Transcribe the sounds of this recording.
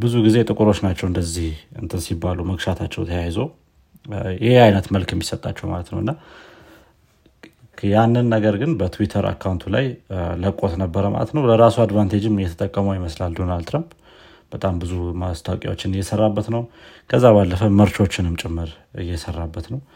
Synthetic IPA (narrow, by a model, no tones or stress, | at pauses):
bɨzuɡize̞t̪ʼɨkʼuɾo̞t͡ʃːnat͡ʃːɛwɨnd̪əzːihɨ̰nt̪ʰɨnsibːaluməɡʃat̪ʰat͡ʃːɛ̰wt̪ʰəjajzo | jɪheajnət̪məlkjɛmːisət̪ʼa̰t͡ʃːɛwma̰lət̪nə̰wɨnːa | janːɨnːəɡəɾɡɨnbət̪ʰwit̪ʰəɾa̰kʰːawnt̪ʰula̰jləkʼo̞t̪nəbːəɾəmʔa̰lət̪nəwləɾasuad̪vant̪ʰed͡ʒɪmːɨjɛt̪ʰət̪ʼəkʼːəməwjɪməslald̪o̞nald̪t̪ɾamp | b̥ət̪ʼambɨzumast̪ʰawkʼj̰wot͡ʃːɪnɨjːɛsərːabːət̪nəw | kʰəzːaβalːəfəməɾt͡ʃo̞t͡ʃːɪnɨmt͡ʃʼɪmːɨɾ | ɨ̰jːɛsərːabːət̪nəw